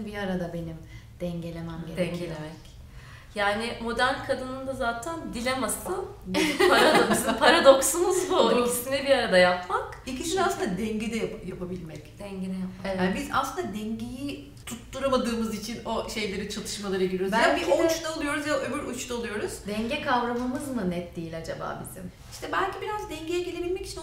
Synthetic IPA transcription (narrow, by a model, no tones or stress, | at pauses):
biaɾad̪abe̞nimd̪̥ɛɲɟe̞lʲe̞mæmed̪elʲemɛc | jaːnɪmo̞d̪æɾnʲkʰad̪ɯnɯnd̪azaːt̪ʰænd̪ilʲemasɯnpʰaɾad̪okspʰaɾad̪o̞ksunɯzbuolˠist̪inɛbiaɾad̪ajapmakicʰid͡ʒynasˠɯnd̪ad̪ɛɲɟɛd̪ɛjjapʰabilʲmɛcd̪̥ɛɲɟenɛjapmaanbiza̰slˠɯnd̪ad̪ɛɲɟeji | t̪ʰut̪ːuɾamad̪ɯːmɯzit͡ʃʰino̞ʃe̞jlʲe̞ɾit͡ʃʰat̪ʰɯ̥ʃmalˠaɾɯɡeɾjoɾzænbiut͡ʃt̪aolˠujo̞ɾuzjaʔøbyɾut͡ʃt̪ʰaolˠujo̞ɾuz̥d̪ɛɲɟɛkʰavɾamɯmɯzmɯnɛt̪̚d̪iːlʲad͡ʒaba̰ːbizḭm | iʃt̪ʰɛbælʲcibiɾazd̪ɛɲɟejɛɟelʲebilʲmɛci̥t͡ʃʰin